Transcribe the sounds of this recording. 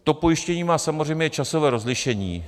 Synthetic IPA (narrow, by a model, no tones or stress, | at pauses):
t̪o̞po̞jɪʃcɛɲiːmaːsamorɛjmɲɛt͡ʃaso̞vɛːɾo̞zlɪʃɛɲḭː